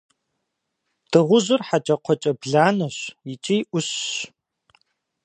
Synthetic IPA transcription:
d̥ʰɨʁʷʊʑʷɪrħat͡ʃʼɐqʷʰɔt͡ʃʼɐbɮaːnɐɕɪt͡ʃʼijʔʷʊɕː

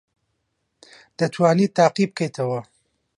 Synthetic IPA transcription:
d̪̥ət͡ʃwaːnit̪aːqib̚kejt̪awa

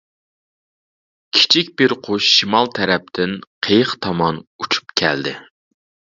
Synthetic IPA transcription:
kʲʰi̥t͡ʃʰik̚ʲbɪɾqʰoʃʃimɑlˠt̪ʰɛɾɛp̚t̪ʰɪnqʰejəχt̪ʰɑmɑnut͡ʃʰu̥pkʲʰɛ̰ld̪ɪ

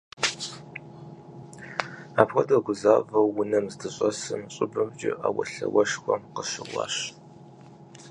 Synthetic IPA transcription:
aːpxʷɐdɐɡʷʊzaːvɐwːʊnɐmzdʰɨɕʼɐsɨmɕʼɪbɨbd͡ʒɪʔaːwɐ̰ɬɐwɐʃxʷɔmqəɕɪʁʷɑ̰ːɕ

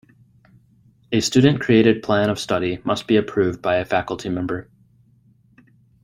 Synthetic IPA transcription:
ɨstʉdⁿn̩kʰɹ̥ieɪɾɨd̚pʰl̥æ̃ñʌv̥stʌɾimʌstb̥iɨpʰɹ̥ʉvbaɪɨfækl̩ˠtʰimɛ̃mbə˞

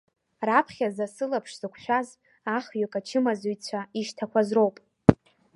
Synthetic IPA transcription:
rapʰχʲazasɨlapʰʂz̥ɨkʷʰʃʷᶣaz | aχɥakʼat͡ʃʰɨmazujt͡sʷʰaiʃtʰakʷʰazro̞wpʼ

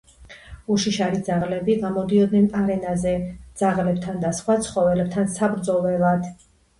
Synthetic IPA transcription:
uʃiʃaɾid̪zaʁlɛbiɡamɔd̪iɔd̪nɛnaɾɛnazɛd̪z̥aʁlɛb̚t̪ʰand̪asχwat̪sʰχɔvɛlɛb̚t̪ʰansabɾd̪zɔvɛlad̪̥

